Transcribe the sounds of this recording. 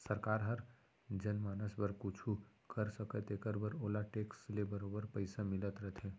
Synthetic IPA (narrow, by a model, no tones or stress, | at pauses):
səɾkaɾɦəɾ | d͡ʒənmaːnəsbəɾkut͡ʃʰu | kəɾsəkət̪ekəɾbəɾoːlaʈekslebəɾobəɾpəɪsamɪlət̪ɾəɦt̪ʰɦẽ